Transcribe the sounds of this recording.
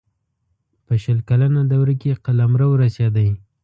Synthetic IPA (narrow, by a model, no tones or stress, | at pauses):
pəʃəlkalanad̪awɾakeqalamɾawəɾasjɑd̪aj